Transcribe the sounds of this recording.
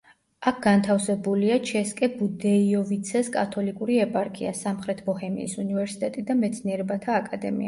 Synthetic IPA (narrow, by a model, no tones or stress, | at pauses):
ak̚ʰɡ̥ant̪ʰafsɛbuliat͡ʃʰɛskʼɛbud̪ɛiɔvit̪sʰɛskʼat̪ʰɔlikʼuɾiɛpʼaɾkʼḭa̰samχɾɛt̪ʰbɔhɛmḭːsunivɛɾsi̥t̪ʼɛt̪ʼid̪amɛt̪sʰniɛɾɛbat̪ʰaːkʼad̪ɛ̰mḭa